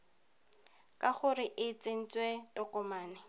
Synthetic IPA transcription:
kʼaχʊrɪʔɪt͡sʼen̩t͡swetɔkʼɔmaːnɪ

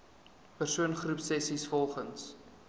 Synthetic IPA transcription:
pərsuənχrupsɛsisfɔlˠχəns

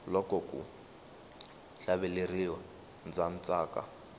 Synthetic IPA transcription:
lɔkɔkṵ | ɬaβɛleriwa | nd͡zan̩t͡sʼaːka̰

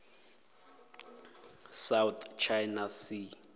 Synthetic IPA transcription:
sawt̪ʰt͡ʃʰajnasi

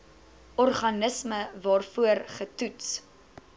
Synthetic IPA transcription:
ʔɔrχɐnəsməvɑːrfuərχətuts

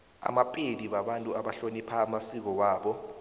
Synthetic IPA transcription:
a̰mapʼeliɓaɓantʼuaɓaɬonipʰaːmasik̬ɔwaːɓɔ

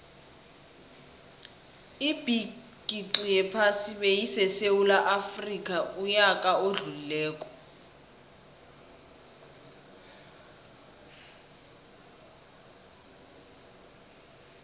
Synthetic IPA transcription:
ib̥i | kʼiǁijɛpʰasiβejisɛsewulaʔafrikʼaujakʼaoɮulilɛːkʼɔ̥

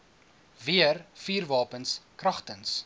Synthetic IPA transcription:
viərfiːrvɑːpənskrɐχtəns

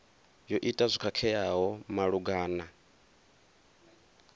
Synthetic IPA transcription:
jɔʔitʼazʷikʰakʰɛjaɦɔmaɺuɡaːna

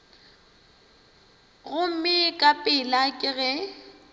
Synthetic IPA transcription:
ɣʊm̩mɪkʼapʼɪlakʼɪɣɛ

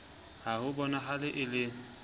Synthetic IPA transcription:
hahʊbɔnaɦalɪʔɪlɪ

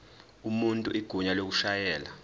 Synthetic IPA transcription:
umuntʼṵʔiɡ̥ʱuɲalok̬uʃajɛːla

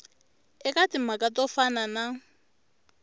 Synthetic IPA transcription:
ɪkʼatʼɪmakʼatʼɔfanana

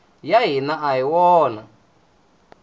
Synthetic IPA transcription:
jaɦinaaiwɔːna

